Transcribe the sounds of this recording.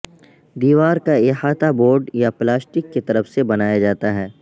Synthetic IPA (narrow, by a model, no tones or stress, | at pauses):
d̪iːʋaːɾkaehaːt̪aboːɾɖjaplaːsʈɪkːet̪ɐɾəfsebɐnaːjad͡ʒaːt̪aɦɛː